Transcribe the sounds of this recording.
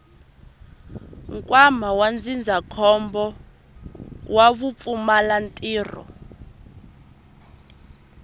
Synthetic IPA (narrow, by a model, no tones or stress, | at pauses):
ŋkʼwamawand͡zind͡zʱakʰɔmbɔ | waβup̪fumalantʼiːrɔ̰